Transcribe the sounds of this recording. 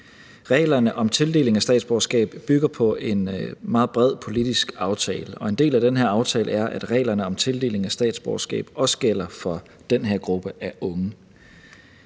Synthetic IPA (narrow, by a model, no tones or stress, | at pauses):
ʁɛ̰ːlɐnəʔɒ̽mt͡sʰe̝lde̝ːle̝ŋæsd̥ɛ̰ːd̥sb̥ɒʊɐsɡ̥ɛ̰ːb̥b̥yɡ̥ɐpʰɒ̽ʔe̝nmɑ̈ːð̩ˠb̥ʁɛð̞̰ˠpʰo̝lid̥isɡ̥ɑ̈ʊt͡sʰɛːləʔɒ̽e̝nd̥e̝̰ːlæd̥enɦeɐ̰ɑ̈ʊt͡sʰɛːlʔəæɐʔæd̥ʁɛ̰ːlɐnəɒ̽mt͡sʰe̝ld̥e̝̰ːle̝ŋæsd̥ɛ̰ːd̥sb̥ɒ̰ɐsɡ̥ɛ̰ːb̥ɒ̽sə̥ɡ̥el̰ɐfɒ̽ | d̥enɦeɐ̰ɡ̥ʁub̥əʔæɐʔɔ̽ŋə